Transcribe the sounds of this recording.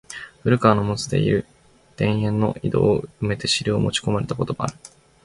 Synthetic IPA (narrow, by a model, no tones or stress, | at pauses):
ɸɯ̟ɾɯ̟kaːno̞mo̞t͡sɨd̪e̞̰ḭɾɯ̟ | d̪̥ẽ̞ɰ̃ẽ̞nːo̞ʔid̪o̞̰ːɯme̞t̪e̞ɕiɾʲɯo̰mo̞t͡ɕi̥ko̞maɾe̞t̪ako̞t̪o̞maa̰ɾɯ̟